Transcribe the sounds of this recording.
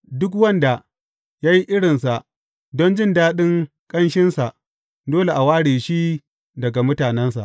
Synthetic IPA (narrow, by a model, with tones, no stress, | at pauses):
dʊ˦k̬wɐ˦nda˨ | jaː˦ji˦ʔɪ˦ɽɪ˨nsa˨ʔ | dɔ˦nd͡ʒɪ˦˨ndaː˦ɗɪ˦ŋ | kʼɐ˦nʃɪ˦nsa˨ʔ | doː˦le˨ʔa˨waː˦ɽeː˨ʃi˦ | dɐ˨ɡa˨mʊ˦taː˨nɛ˦nsa̰˨ʔ